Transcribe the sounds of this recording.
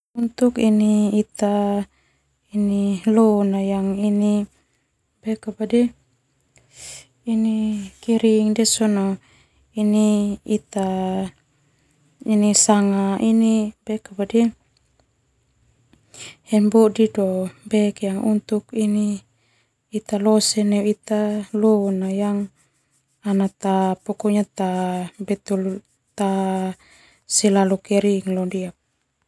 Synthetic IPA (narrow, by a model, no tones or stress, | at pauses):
unt̪ukiniːt̪a | inilɔnajaŋini | bɛkːabadɛ | inikiɾiŋdɛsɔnɔ | iniit̪a | inisaŋainib̥ɛkːabadɛ | hɛnbɔdidɔbɛkjaŋṵnt̪ukiniː | t̪alɔsɛnɛwit̪alɔnajaŋ | anat̪apɔkɔɲat̪abɛt̪ul | t̪a | sɛlalukɛɾiŋlɔndiap̚